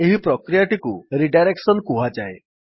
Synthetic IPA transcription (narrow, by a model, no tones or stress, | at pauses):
eɦipɾɔkɾijaʈikuɾiɖajɾeksɔnkuɦad͡ʒae